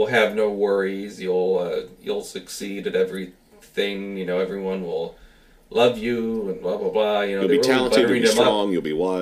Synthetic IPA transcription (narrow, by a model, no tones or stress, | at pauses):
lˠɨvnoʊwɜ˞izjulˠʌjṵlˠsɨksiɾɨɾɛvɹi | θɪ̃ŋjɨnoʊɛvɹiwʌ̃nwɪ̰lˠ | lʌvjɨə̃nblablablajɨnoʊlðbitʰælˠə̃nbʌiə˞ɪ̃ðɨ̃mʌɔ̃ŋjʉl̩ˠbiwaɪ